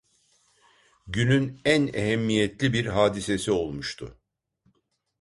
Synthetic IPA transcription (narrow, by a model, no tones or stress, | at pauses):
ɟynynæneɦɛmːijɛt̪lʲibiɾɦaːd̪ise̞sio̞lˠmuʃt̪ʰʊ̰